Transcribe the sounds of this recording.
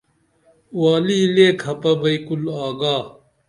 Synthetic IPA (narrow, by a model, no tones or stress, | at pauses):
waːliːleːkʰɐpɐbɐikulaːɡaː